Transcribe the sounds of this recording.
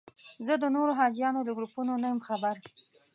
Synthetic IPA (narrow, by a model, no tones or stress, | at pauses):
zəd̪ənoɾoɦɑd͡ʒjɑnoləɡɾupunonajəmxabaɾ